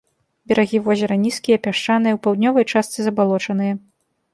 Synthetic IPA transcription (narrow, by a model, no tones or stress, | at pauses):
bʲɛɾaɣʲivɔzʲɐɾɐnʲiskʲijɐpʲaʂt͡ʂanɨjɛwpawd̪ʲnʲɔvɐjt͡ʂast̪sɨzɐbalˠɔt͡ʂɐnɨjɐ